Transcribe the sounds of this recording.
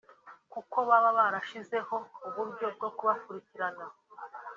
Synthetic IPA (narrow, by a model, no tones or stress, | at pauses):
kuko̞βaβaβaɾaʃize̞ho̞uβuɾɟo̞b̚ɡo̞kuβafuɾiciɾana